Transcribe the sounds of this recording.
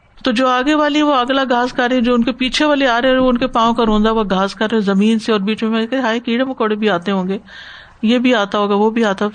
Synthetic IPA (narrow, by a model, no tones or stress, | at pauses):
t̪oːd͡ʒoːaːɡeʋaːliɛ̃ʋoɐɡlaɡʱaːskaɾeɛ̃d͡ʒoːʊnkepiːt͡ʃʰeʋaːleaːɾeɛ̃oʊnkepãːõkaɾõːnd̪aaɡʱaːskɐɾẽzɐmiːnseɔːɾbiːt͡ʃmẽmɛ̃nekɛt̪ɦaːikiːɽẽʋokoːɽebʱiaːt̪eɦõːŋɡeː | jeːbʱiaːt̪aɦoːɡaʋobʱiaːt̪a